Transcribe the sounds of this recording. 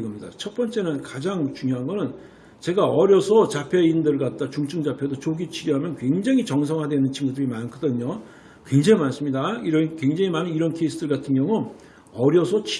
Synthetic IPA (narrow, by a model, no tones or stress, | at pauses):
ɡʌmɲida̰t͡ɕʰʌt̚p͈ʌnt͡ɕ͈e̞nɯnkad͡ʑaŋt͡ɕuŋjoɦanɡʌnɯn | t͡ɕe̞ɡaʌɾjʌsʰʌt͡ɕapʰe̞indɯɭɡat̚t͈at͡ɕuŋt͡ɕʰɯŋd͡ʑapʰjeodot͡ɕoɡit͡ɕʰiɾjiɦamjʌnkwe̞ŋd͡ʑaŋit͡ɕʌŋs̬ʰʌŋɦadwe̞nɯnt͡ɕʰinɡudɯɾimanɯnkʌdɯɲo | kwe̞ŋd͡ʑaŋimans͈ɯmɲidaiɾʌnkweŋd͡ʑaŋimanɯniɾʌnkʰeis͈ʰɯdɯɭkatʰɯnjʌŋun | ʌɾjʌsʰʌt͡ɕ